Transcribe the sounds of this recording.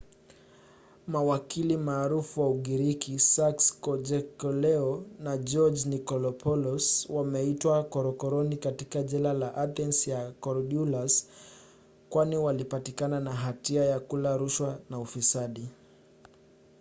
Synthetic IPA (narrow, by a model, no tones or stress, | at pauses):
mawakilimaːɾufuwauɠiɾikisakskɔd͡ʒɛkɔlɛɔnad͡ʒɔd͡ʒnikɔlɔpʰɔlɔswamɛitwakɔɾɔkɔɾɔnikatikaʄɛlalaʔaθɛnsjakɔɾɔɗjulas | kwaniwalipatikananaɦatiajakulaɾuʃwanaufisaɗi